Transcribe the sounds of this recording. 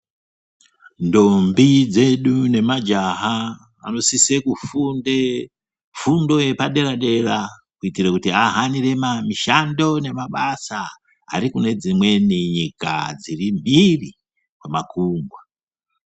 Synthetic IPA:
ndo̞mbid͡ze̞ɗune̞mad͡ʒaɦa | a̰no̞sisekufunde | fundo̞je̞paɗe̞ɾaɗe̞ɾa | kuitirekutiaɦaniɾe̞mamiʃando̞ne̞maɓasa | a̰ɾikune̞d͡zimwe̞niɲika̰d͡zirimbiri | kwemakuːŋɡwa

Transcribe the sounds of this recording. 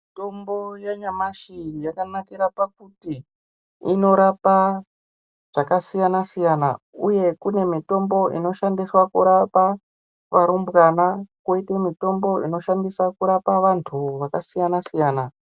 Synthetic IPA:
itombojaɲamaʃijakanakiɾapak̚utiː | no̞ɾapa | ʐ̥akasijanasijana̰ | uje̞kune̞mito̞mbo̞ʔḭno̞ʃandiswakuɾapa | ʋaɾumbɣanakwoitemito̞mbo̞ino̞ʃandisakuɾapaʋantʰuʋakasijanasijaːna

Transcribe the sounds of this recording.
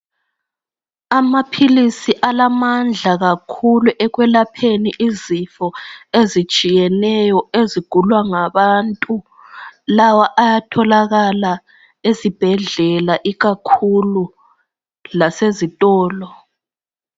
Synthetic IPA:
amapʰilisiʔalamand͡ɮʱaɣakʰuluʔɛɣwɛlapʰeniʔizifɔezit͡ʃʼijɛnɛjɔeziɡ̥ʱulwaŋaβantʼu | lawaʔajatʰɔlaɣala | ezib̥ʱɛɮɛlaʔiɣakʰulu | lasezitʼɔːlɔ

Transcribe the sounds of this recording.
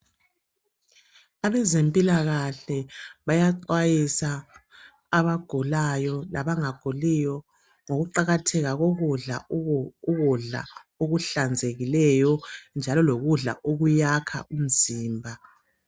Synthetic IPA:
aβɛzempʼilaɣaɬɛβajaǃwajisaː | βaɡ̥ʱulajɔlaβaŋaɡ̥ʱulijɔ | ŋoɣuǃaɣatʰɛɣaɣoɣuɮa̰uɣuɮa̰ | oɣuɬand͡zʱeɣilɛjɔnd͡ʒʱalɔloɣuɮa̰ʔoɣujakʰa̰ʔum̩ziːmbʱa

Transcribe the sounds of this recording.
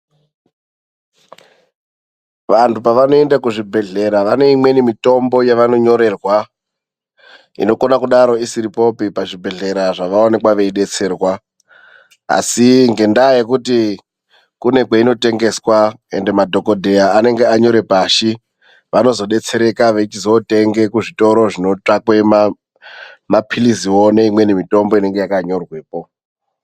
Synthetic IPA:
ʋantupaʋano̞e̞ndakuʐibʱe̞ɮe̞ɾaʋane̞imwe̞nimito̞mbo̞jaʋano̞ɲo̞ɾe̞rwa | ḭno̞ko̞nakuɗaɾo̞isiɾipo̞pipaʐibʱe̞ɮe̞ɾaʐaʋaone̞kwaʋe̞iɗe̞t͡se̞ːrwa | a̰siŋɡe̞ndajekuti | kune̞kweino̞te̞ŋɡe̞swae̞̰nde̞madʱo̞ko̞dʱe̞jaane̞ŋɡe̞aɲo̞ɾe̞paːʃi | ʋano̞zo̞ɗe̞t͡se̞ɾe̞kaʋe̞it͡ʃizo̞te̞ŋɡe̞kuʐito̞ɾo̞ʐino̞t͡ʂakwe̞ma | mapʰiliziwoneimwe̞nemito̞mbo̞ine̞ŋɡe̞jakaɲo̞rwe̞ːpo

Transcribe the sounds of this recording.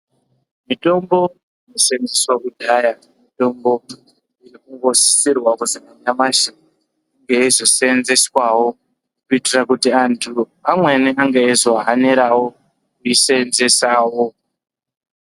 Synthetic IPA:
mito̞mbo̞ | ino̞send͡zeswaʔudʱaja | mito̞mbo̞ | irikuŋɡo̞si̥sirwakuzikaɲamaʃin | ŋɡeezo̞senze̞swawo̞ | kuitirakutiantʰu | amwe̞neaŋɡaezo̞ɦaneɾawo̞ | kuisenze̞saːwo

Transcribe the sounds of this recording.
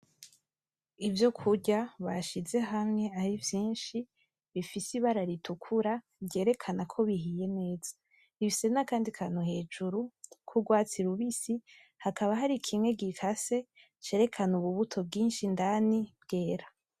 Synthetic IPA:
ivjo̞kʰuɟaβaʃize̞ɦamŋe̞aɾivjiːnʃi | βifisiβaɾaɾitʰukʰuɾa | bɟe̞ːɾe̞kʰanakʰo̞βiɦije̞ne̞ːz̥a | niβise̞nakaːndikʰanohe̞ːd͡ʒuɾukʰuɡwaːt͡siɾuβisi | hakaβaɦaɾikʰimŋe̞ɡikʰase̞ | t͡ʃe̞ɾe̞kʰanuβuβutʰo̞b̚ɡiːnʃindanibɡe̞ːɾa

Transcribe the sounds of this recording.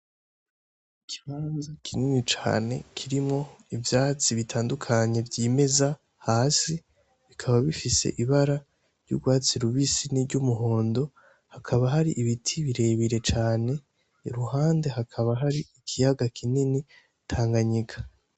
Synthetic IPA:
ikʰi̥βaːnzakʰininit͡ʃa̰ːne̞̰kʰiɾimŋo̞ivjaːt͡siβitʰaːndukʰaɲe̞vɟiːme̞za | haːsi | βikʰaβaβifisḛʔiβaɾa | ɾɟṵɡwaːt͡siɾuβisiniɾɟumuɦo̞ːndo̞ | hakʰaβaɦaɾiʔiβitʰiβiɾe̞ːβiɾe̞t͡ʃaːne̞ | iɾuɦaːnde̞ɦakʰaβaɦaɾiikʰijaɡakʰinini | tʰaːŋɡaɲikʰḁ

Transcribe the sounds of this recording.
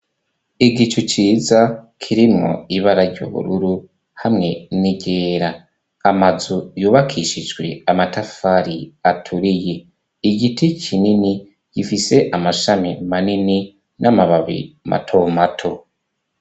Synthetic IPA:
iɡit͡ʃut͡ʃiːzakʰiɾimŋo̞̰iβaɾaɾɟo̰βṵɾuɾu | hamŋe̞niɡe̞ːɾa | amazujuːβakʰiʃid͡ʒɡwe̞̰amatafaɾiatʰuɾije̞ | iɡitʰikʰinini | ɡ̥ifise̞ʔamaʃamimanini | nʔamaβaβḭmʔa̰tʰo̞matʰo̞

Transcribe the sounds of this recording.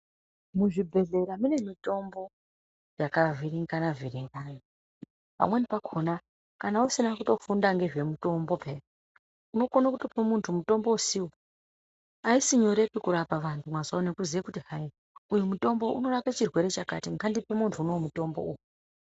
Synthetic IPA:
muʐibʱe̞ɮe̞ɾamune̞mito̞mbo̞ | jakaviriŋɡanavʱiɾiŋɡaːna | pa̰mwe̞nipakʰona | kanausinakuto̞fundaŋɡe̞ʐe̞muto̞mbo̞pʰe | uno̞konakutipemuntʰumuto̞mbo̞usiwo | aisiɲo̞ɾe̞kikuɾapaʋantʰumwazaone̞kuziakutiɦai | ujumuto̞mbo̞ʔṵno̞raket͡ʃirwe̞ɾe̞t͡ʃaka̰tiŋɡʱandipemuntʰuunomuto̞mbo̞̰uːju

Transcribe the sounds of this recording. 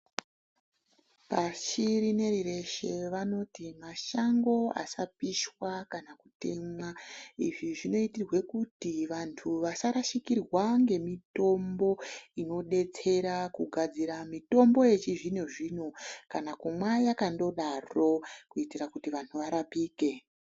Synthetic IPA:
paʃiɾine̞ɾire̞ʃe̞ʋano̞timaʃaŋɡo̞a̰sapiʃwakanakute̞mwaiʐiʐino̞itirwe̞kutiʋantʰuʋasaɾaʃikirwaŋɡe̞mito̞mbo̞ino̞ɗe̞t͡se̞ɾakuɡʱad͡ziɾamito̞mbo̞je̞t͡ʃiʐine̞ʐiːno̞kanakumwajakando̞ɗaro̞kuitirakutiʋantʰuʋaɾapiːke̞

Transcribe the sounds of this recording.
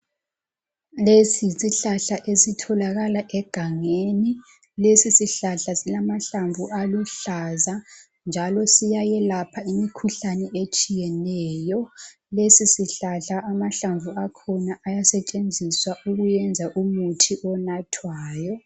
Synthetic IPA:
lesisiɬaɬaʔesitʰɔlaɣalaʔɛɡ̥ʱaŋeni | lesisiɬaɬasilamaɬaɱvualuɬaza | nd͡ʒʱalɔsijajɛlapʰaimikʰuɬanɛet͡ʃʼijɛnɛːjɔ | lesisiɬaɬaʔamaɬaɱvuakʰɔnaʔajasɛt͡ʃʼend͡zʱiswaʔuɣujɛnd͡zʱaʔumutʰiʔɔnatʰwaːjɔ

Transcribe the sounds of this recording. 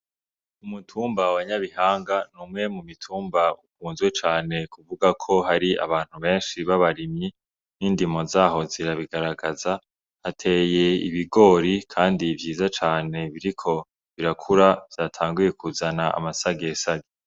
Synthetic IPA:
umutʰuːmbawaɲaβihaːŋɡanumŋe̞mumitʰuːmbauk̚uːnzwet͡ʃaːne̞kuvuɡakʰo̞ɦaɾia̰βaːn̥huβe̞ːnʃiβaβaɾimɲi | niːndimo̞zaːɦo̞ziɾaβiɡaɾaɡaza | atʰe̞je̞ḭβiɡo̞ːɾikʰaːndivjiːzat͡ʃaːne̞βiɾikʰo̞ | βiɾakʰuɾav̥jaːtʰaːŋɡuje̞kuzanaa̰masaɡesaɡe

